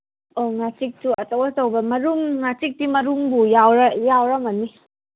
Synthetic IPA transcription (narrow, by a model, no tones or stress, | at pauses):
oŋat͡ʃik̚suɐtowatawbɐmɐɾumŋat͡ʃik̚dimɐɾumbujawɾɐjawɾɐmani